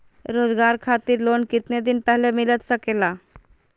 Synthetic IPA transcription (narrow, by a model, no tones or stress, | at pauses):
ɾod͡zɡaɾkʰat̪iːɾlonkit̪ned̪inpɛɦlemilət̪səkela